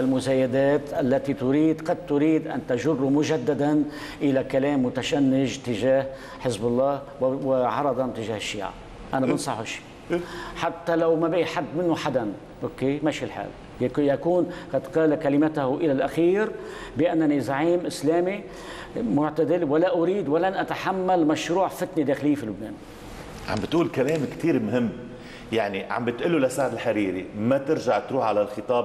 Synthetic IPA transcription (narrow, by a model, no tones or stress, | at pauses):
almʊzaːjad̪aːt̪ʔalːat̪it̪ʊɾiːd̪qɑd̪̚t̪ʊɾiːd̪ʔa̰nt̪aʒʊrːumʊʒad̪ːad̪an | ʔɪlakalaːmːʊt̪aʃanːɪʒt̪ɪʒaːh | ħɪzbɑlˤːɑːh | wɪʕɑɾˤɑd̪ˤɑnt̪ɪʒaːhɪʃːḭːʕa̰ | ʔanabɪnsˤɑħuʃi̥ː | ħat̪ːalawmabɪʔiħad̪ːmɪnːʊħad̪an | ʔokːeːmaʃilħa̰ːl | jkjakuːnqat̪ːqɑːlakalɪmat̪ahʔɪlalʔaxiːɾbɪʔanːanizaʕiːmʔɪsleːmi | mʊʕt̪ad̪ɪlwalaʔʊɾiːd̪walanʔat̪aħamːalmaʃɾuːʕfɪt̪nid̪eːxɪlɪjːfiːlʊbnḛːn | ʕa̰mbɪt̪ʔuːlkaleːmkt̪iːɾmɦɪmː | jaʕniʕa̰mbɪt̪ʔʊlːulasaʕd̪ɪlħaɾiːɾḭmat̪ɪɾʒaʕt̪ɾuːħʕalalxɨt̪ˤɑːb